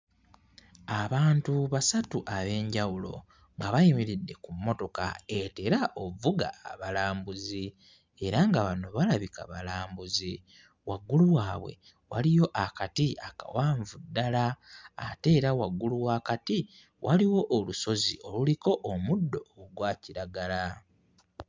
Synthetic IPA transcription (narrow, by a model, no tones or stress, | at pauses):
aβaːntuβasatuʔaβe̞ːɲɟawulo̞̰ | ŋɡaβajimiɾidːe̞kumːo̞to̞ka̰e̞teɾaʔo̞vuɡa̰aβalaːmbuzi | e̞ɾaŋɡaβano̞βalaβika̰βalaːmbuzi | waɡːuluwaːβwe̞̰ | walijo̞ʔakatiaka̰waːɱvudːala̰ː | te̞ːɾawaɡːuluwaːkati | wʔaliwo̞ʔːluso̞zio̞luliko̞ʔːmudːo̞ɡwaːciɾaɡala